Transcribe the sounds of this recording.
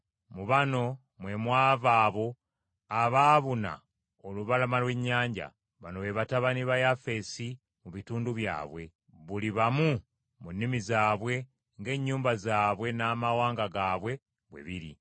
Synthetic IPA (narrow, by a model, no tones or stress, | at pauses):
muβano̞ | mwe̞mwaːvaːβo̞ | aβaːβuna̰ | oluβalamalwe̞ɲːaːɲɟa̰ | βanoβe̞βataβaniβajafe̞si | muβituːnduβja̰ːβwe̞ | βuliβamu | munːimizaːβwe̞ | ŋɡe̞ːɲːuːmbazaːβwe̞naːmawaːŋɡaɡaːβwe̞ | βwḛβiɾḭ